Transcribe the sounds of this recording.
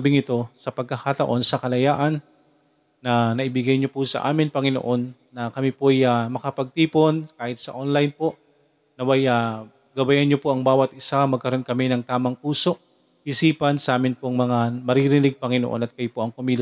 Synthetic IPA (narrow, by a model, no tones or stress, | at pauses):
bɪŋɪt̪o̞sɐpɐɡ̚kɐxat̪ɐʔo̞nsɐkɐlɐjaːʔɐnː | ɐnɐʔɪbɪɡajɲopʊsɐ̰ʔa̰ːmɪnpɐŋɪno̰ʔo̞nː | ɐkɐmipoʔjamɐkɐpɐɡ̚t̪iːpo̞nkaːhɪt̪̚sɐʔonlajnpo̞ʔ | nɐwaja | ɡɐbɐjanɲopoʔɐŋbaːwɐt̪̚ʔɪsamɐɡ̚kɐɾo̞nkɐmɪnɐŋt̪aːmɐŋpuːso̞ʔ | ɪsiːpɐnsɐʔaːmɪnpoŋmɐŋamɐɾiɾɪnɪɡ̚pɐŋɪnoʔo̰nɐt̪̚kɐjopoʔɐŋkʊmiːl